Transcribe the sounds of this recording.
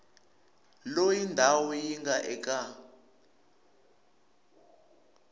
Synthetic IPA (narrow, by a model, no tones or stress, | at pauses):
lojindʱawɔjiŋɡaʔɛkʼa